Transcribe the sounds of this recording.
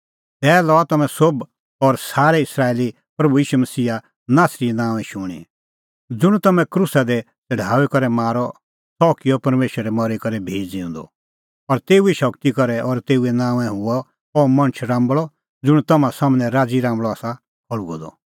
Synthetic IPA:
t̪ɛːlɔat̪ɐmɛ̃sob | ɔɾsaːɾɛɪsɾaːeːli | pɾɐbujiːʃumɐsiːa | naːsɾiɛnãːʋɛ̃ʃʊɽ̃ḭ | d͡zʊɽ̃t̪ɐmɛ̃kɾʊsad̪ɛ | t̪ɐɖ̤ʱaːwɛkɔɾɛmaːɾɔ | sɔːkijɔpɐɾmeːʃəɾɛmɔɾikɐɾɛbʱeːd͡ziʊ̃nd̪ɔ̰ | ɔɾt̪eːuiʃɐkt̪ikɔɾɛʔɔɾt̪eːuɛnãːʋɛ̃ɦʊɔ | ɔmɐ̃nt͡ʃʰɾãːmbɭɔ | d͡zʊɽ̃t̪ɐmãsaːmnɛ̃ɾaːd͡ziɾãːmbɭɔaːsa | kʰɔɭuɡɔ̰d̪ɔ̰

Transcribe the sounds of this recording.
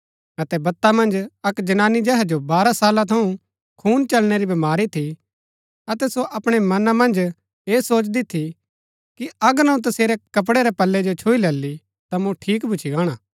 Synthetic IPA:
ɐt̪ɛbɐt̪ːamɐ̃nd͡ʒɐkd͡ʒɐnaːnid͡ʒɛɦɛd͡ʒobaːɾasaːlat̪ʰɐũ | kʰuːnt͡ʃɐlɽ̃eɾibɐmaːɾit̪ʰi | ɐt̪ɛsoʔɐpɽ̃emɐnamɐ̃nd͡ʒ | eːsoːt͡ʃd̪it̪ʰi | kiɐɡəɾnɐũt̪ɐseːɾɛkɐp̬ɽɛɾɛpɐlːɛd͡ʒot͡ʃʰuilɐlːi | t̪amũʈʰiːkbʱʊt͡ʃʰiɡãːɽ̃aː

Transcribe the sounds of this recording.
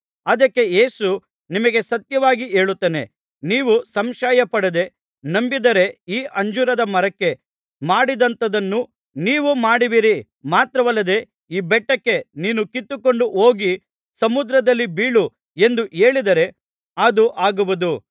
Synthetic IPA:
ɐd̪ɐkːe̞je̞ːsu | nimɐɡe̞sɐt̪jɐʋaːɡiʔe̞ːɭut̪ːeːne̞̰ | niːʋusɐmʃaːjɐpɐɽed̪e̞ | nɐmbid̪ɐɾe̞iːʔɐɲd͡ʒuɾɐd̪ɐmɐɾɐkːe̞ | maːɽid̪ɐnt̪ɐd̪ɐnːu | niːʋumaːɽiʋiɾi | maːt̪ɾɐʋɐlːɐd̪e̞ | iːbɛʈːɐkːe̞niːnukit̪ːuko̞ɳɖuʔoːɡi | sɐmud̪ɾɐd̪ɐlːibiːɭu | e̞nd̪uʔeːɭid̪ɐɾe̞ | ɐd̪uʔaːɡuʋud̪u

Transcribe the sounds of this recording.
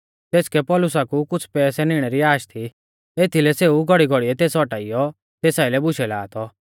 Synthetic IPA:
t̪eːskɛpɔlʊsakukʊt͡sʰpɛːsɛnɪɽ̃ɛɾiaːʃt̪ʰi | eːt̪ʰilɛseuɡʱɔɽiɡʱɔɽiɛt̪eːsɔʈaːijɔ | t̪eːsaːɪlɛbʊʃɛlaːt̪ʰɔ

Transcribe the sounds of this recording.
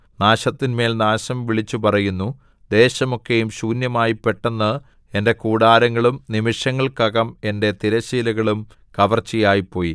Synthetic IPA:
naːɕɐt̪ːinme̞ːlnaːɕɐmʋiɭit͡ɕːupɐrɐjunːu | d̪e̞ːɕɐmo̞kːe̞jumɕuːnjɐmaːjipːe̞ʈːenːɐ | e̞nde̞kuːɽaːɾɐŋːɐɭumnimiʂɐŋːɐɭkɐɣɐme̞nde̞t̪iɾɐɕiːlɐɣɐɭum | kɐʋɐrt͡ɕːijaːjipːo̞ːji

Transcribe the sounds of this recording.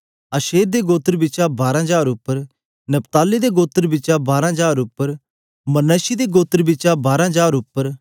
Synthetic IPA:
ɐʃeːɾd̪eɡoːt̪ːəɾbɪːt͡ʃabaːɾãɦəd͡ʒaːɾʊpːəɾ | nɐpt̪aːlːid̪eɡoːt̪əɾbɪːt͡ʃabaːɾãɦəd͡ʒaːɾʊpːəɾ | mɐnəsid̪eɡoːt̪ːəɾbɪt͡ʃabaːɾãɦəd͡ʒaːɾʊpːəɾ

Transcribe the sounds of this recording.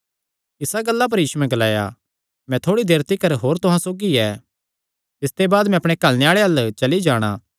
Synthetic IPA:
ɪsaɡɐlːap̬ɐɾjiːsuɛ̃ɡɐlaːja̰ | mɛ̃t̪ʰoːɽid̪eːɾt̪ikɐɾɦoːɾt̪ʊɦãsoːɡiɛː | t̪ɪst̪ebaːd̪mɛ̃ɐpɽ̃ekɐlneaːɭeɐlt͡ʃɐlid͡ʒaːɽ̃ã̰ː

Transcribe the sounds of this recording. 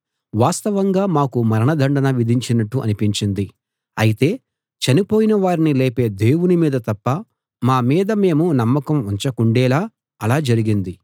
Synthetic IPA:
ʋaːst̪ɐʋɐŋɡaːmaːkumɐɾɐɳɐd̪ʱɐɳɖɐnɐʋid̪ʱiɲt͡ʃinɐʈːuʔɐ̰nipiɲt͡ʃind̪i | ɐjit̪e̞ː | t͡ʃɐnipo̞ːjinɐʋaːɾinileːpe̞ːd̪e̞ːwunimiːd̪ɐt̪ɐpːɐ | maːmiːd̪ɐme̞ːmunɐmːɐkɐmuɲt͡ʃɐkuɳɖɛːlaː | ɐlaːd͡ʒɐɾiɡind̪i

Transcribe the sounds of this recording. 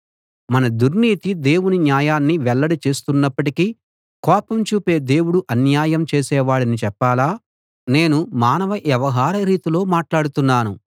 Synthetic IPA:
mɐnɐd̪uɾniːt̪id̪e̞ːwuninjaːjaːnːiʋɛɭːɐɽit͡ʃe̞ːst̪unːɐpːɐʈiki | kɔːpɐmt͡ʃuːpe̞ːd̪e̞ːwuɽuʔɐnjaːjɐmt͡ʃeːsɛːʋaːɽɐnit͡ʃɛpːaːlaː | ne̞ːnumaːnɐʋɐʔjɛʋɐɦaːɾɐɾiːt̪ilo̞ːmaːʈlaːɽut̪unːaːnu

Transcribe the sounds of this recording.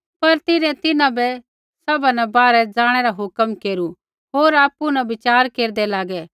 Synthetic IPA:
pɐɾt̪ɪɾẽt̪ɪnãbɛ | sɐbanɛbaːɾɛd͡zaːɽ̃ɛɾaɦʊkəmkeːɾu | ɦoːɾaːpunɛbɪt͡ʃaːɾkeːɾd̪ɛlaːɡɛː

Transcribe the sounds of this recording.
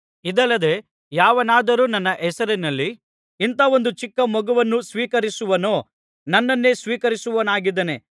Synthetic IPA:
id̪ɐlːɐd̪e̞ | jaːʋɐnaːd̪ɐɾuːnɐnːɐʔɛsɐɾinɐlːi | int̪ɐʋo̞nd̪ut͡ʃikːɐmɔɡɐʋɐnːusʋiːkɐɾisuʋɐnoː | nɐnːɐnːe̞sʋiːkɐɾisuʋɐnaːɡid̪ɐne̞

